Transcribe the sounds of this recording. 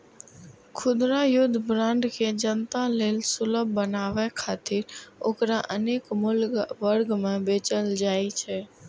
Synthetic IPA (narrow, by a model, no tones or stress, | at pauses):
kʰʊd̪ɾajʊd̪ʱbɾãːɳɖkʰed͡ʒənt̪aleːlsʊləbːənaːʋɛkʰaːt̪ɪɾoːkɾaʔəneːkmʊlʋəɾɡmẽbeːt͡ʃəld͡ʒaːit͡ʃʰɛː